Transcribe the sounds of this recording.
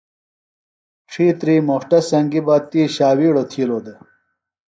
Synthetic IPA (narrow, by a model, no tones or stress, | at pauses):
ʈ͡ʂʰiːt̪ɾiːmoʂʈɐsɐŋɡibɐt̪iːɕaːwiːɽot̪ʰiːloːd̪e